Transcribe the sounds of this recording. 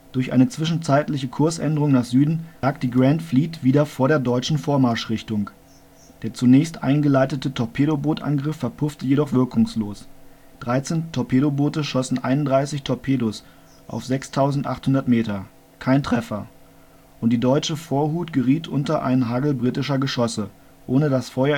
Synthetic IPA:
d̥ʊɐçʔa̰ɪnət͡sv̥ɪʃn̩t͡saɪtlɪçəkʰʊɐsʔɛ̰ndəʁʊŋnaːχz̥yːdn̩aːk̚d̥iːɡʁantfliːtv̥iːdɐfoːɐɾeːɐdɔʏt͡ʃn̩foːɐmaɐʃʁ̥ɪçtʊŋ | d̥eːɐt͡sunɛːçstʔa̰ɪnɡəlaɪtətətʰɔpʰeːɾoboːtʔa̰nɡʁɪfɛɐpʰʊftəjeɾɔχv̥ɪɐkʰʊŋsloːs | d̥ʁaɪt͡seːntʰɔpʰeːɾoboːtəʃɔsn̩ʔa̰ɪnʊndʁaɪsɪçtʰɔɐpʰeːdos | ʔa̰ʊfz̥ɛkstʰaʊzn̩tʔa̰χthʊndɐtmeːtɐ | kʰaɪntʁ̥ɛfɐ | ʔʊnt̚d̥iːdɔʏt͡ʃəfoːɐɦuːtɡ̥əʁiːtʰʔʊntɐʔa̰ɪnənɦaːɡl̩bʁitɪʃɐɡəʃɔsə | ʔoːnədasfɔʏɐ

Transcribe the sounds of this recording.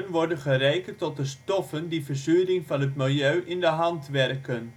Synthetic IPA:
nʋɔɹdənχərejkəntɔt̚dəstɔfəndivəɹzyːrɪŋvɑnɦətmɪlˠjøɥʔɪndəɦɑntʋɛrkən

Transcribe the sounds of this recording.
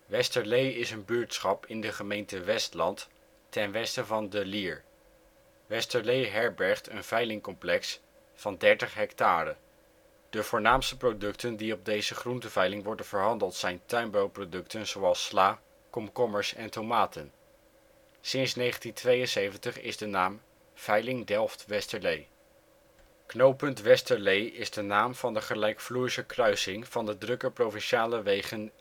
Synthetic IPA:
ʋɛstəɹlejɪsənbyːɹtsχɑpɪndəχəmejntəʋɛstlɑnt | tɛnʋɛstəvɑndəliːɹ | ʋɛstəɹlejɦɛɹbɛɹχtənvɛjlɪŋkɔmplɛks | fɑndɛɹtəχɦɛktaːrə | d̥əv̥ʊːɹnaːmstəprodɵktəndiɔb̚dejzəχruntəv̥ɛjlɪŋʋɔɹdənv̥əɹɦɑndəlˠtsɛjntœɥnbəwprodɵktənz̥owɑlˠslaː | kɔmkɔməɹsɛntomaːtən | sɪnsnejχəntintʋejənsejvəntəχɪ̰zdənaːm | v̥ɛjlɪŋdɛlˠftʋɛstəɹlej | knowpɵntʋɛstəɹlejɪzdənaːmv̥ɑndəχəlɛjkfluːɹisəkrœɥsɪŋv̥ɑndədrɵkəɹprowvɪnʃaːləʋejχən

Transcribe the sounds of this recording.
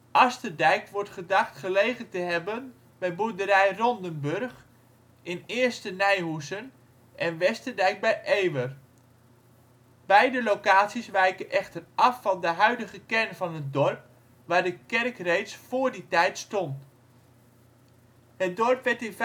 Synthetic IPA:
ʔɑstərdɛjkʋɔɹtχədaχtχəlejχəntəɦɛbən | bɛjbudəɾɛjrɔndənbɵrχ | ʔɪnɪːəstənɛjɦusən | ʔɛnʋɛstərdɛjk̚bɛjʔeːʋər | bɛjdəlowkaːtsisʋɛjkənʔɛχtərɑfːɑndəɦœɥdəɣəkɛrnvɑnɦət̚dɔrp̚ | ʋaːɹdəkɛrkrejtsfoːrditɛjtstɔnt | hət̚dɔrpʋɛtɪnv

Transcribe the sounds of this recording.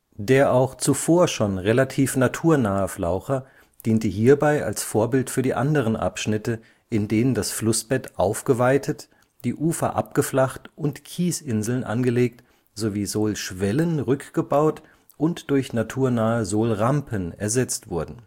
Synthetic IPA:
d̥eːɐʔaʊxt͡sufoːɐʃoːnʁelatʰiːfnatʰuːɐnaːəflaʊxɐ | d̥iːntəɦiːɐbaɪa̰lsfoːɐbɪltfyːɐdiːʔa̰ndəʁ̞ənʔa̰pʃnɪtə | ʔɪndeːnəndasflʊsb̥ɛtʔaʊfɡ̥əvaɪtʰət | d̥iːʔuːfɐ̰ʔa̰p̚ɡ̥əflaχtʔʊntkʰiːsɪnzl̩nʔa̰nɡəleːk̚t | z̥oviːzoːlʃv̥ɛlənʁʏkɡ̥əbaʊt | ʔʊntd̥ʊɐçnatʰuːɐnaːəzoːlʁampʰənɛ̰ɐzɛt͡stv̥ʊɐdn̩

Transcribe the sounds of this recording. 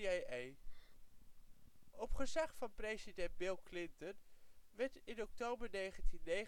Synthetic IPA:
ej | ɔpχəzaχfɑnprejzidɛnd̚bɪlˠklɪntənʋɛɹtɪnɔk̚towbəɹnejχəntinːej

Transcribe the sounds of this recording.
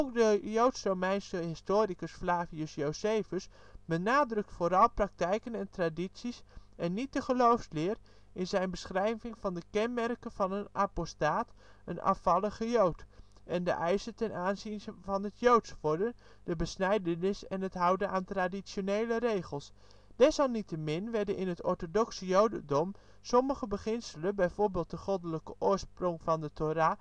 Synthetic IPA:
owk̚dəjowtsrowmɛjnsəɦɪstoːɾikəsflaːviəsjowsejfəs | bənaːdrɵk̚tfoːɾɑlˠprɑk̚tɛjkənɛntraditsisɛnːit̚dəχəlowfslɪːr | ɪnzɛjnbəsχrɛjvɪŋvɑndəkɛnmɛrkəvɑnənʔapostaːtənʔɑ̰fɑləχəjowt | ʔɛndə̰ʔɛjsətɛnʔaːnzinvɑnətjowtsʋɔɹdə | d̥əbəsnɛjdənɪsɛnətɦʌwdənaːntradisjonejləɾejχəlˠs | d̥ɛsɑlˠnitəmɪnʋɛɹdənʔɪnətɔɹtodɔksəjowdədɔm | sɔməχəbəχɪnsələnbɛjvoːɹbɪːlˠt̚dəχodələkəʔʊːɹsproŋvɑndətʰoɾa

